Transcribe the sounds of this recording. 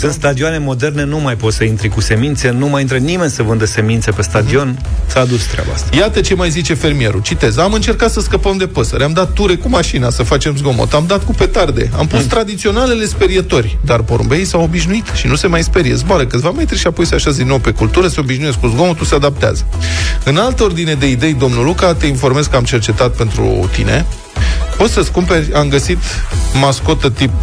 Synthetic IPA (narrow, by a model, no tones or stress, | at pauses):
sɨnt̪st̪ad̪ioane̞mo̞d̪e̞rne̞numajpot̪səint̪ɾikuse̞mint̪se̞numajint̪ɾənime̞nʲsəvɨnd̪əse̞mint̪se̞pe̞st̪ad̪io̞n | saːd̪ut͡ʃt̪ɾʲa̰ba̰a̰st̪ajat̪ət͡ʃe̞majzit͡ʃe̞fe̞rmie̞ɾut͡ʃit̪e̞zamɨnt͡ʃe̞rkat̪səskəpəmd̪e̞pəsəɾeamd̪at̪ːuɾe̞kumaʃinasəfat͡ʃe̞mzɡo̞mo̰t̪amd̪at̪kupe̞t̪ard̪e̞̰a̰mpustt̪ːɾad̪it̪sio̞nale̞le̞speɾiet̪o̞rʲd̪arpo̞ɾṵmbejsawobiʃnuit̪ʃinuse̞majspe̞ɾiḛzboaɾəkɨt̪vame̞t̪ɾiʃiapo̞jseaʃaz̬sd̪inːo̞wpe̞kult̪uɾəseo̞biʃnujes̬kuzɡo̞mot̪usead̪ap̚t̪ea̰zəɨnalt̪əo̞rd̪ine̞d̪e̞id̪e̞jd̪o̞mnulukat̪e̞info̞rmezkəamt͡ʃe̞rt͡ʃe̞t̪at̪̚pe̞nt̪ɾṵt̪ḭne̞̰ | po̞t̪səskumpe̞rʲamɡəsit̪masko̞t̪ət̪ip